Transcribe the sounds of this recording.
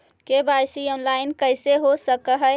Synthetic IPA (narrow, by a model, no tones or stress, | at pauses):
kebasiɔnlaɪnkəjseɦosəkəɦə